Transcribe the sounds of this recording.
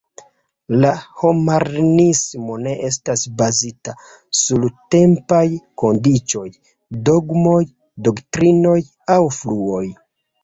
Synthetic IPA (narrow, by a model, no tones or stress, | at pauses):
laho̞maɾnismo̞ne̞ʔestasbazita | sulte̞mpajko̞ndit͡ʃo̞j | do̞ɡmo̞j | do̞ktɾino̞j | awfluo̞j